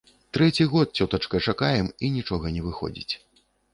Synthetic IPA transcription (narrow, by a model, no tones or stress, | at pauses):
t̪ɾɛt͡sʲiɣɔt̪̚t͡sʲɔt̪ɐt͡ʂkɐt͡ʂakajɛminʲit͡ʂɔɣɐnʲɛvɨxɔ̰d͡zʲḭt͡sʲ